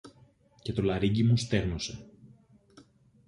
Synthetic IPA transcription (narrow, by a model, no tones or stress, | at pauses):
ce̞t̪o̞lɐɾiɟimust̪e̞ɣno̞se̞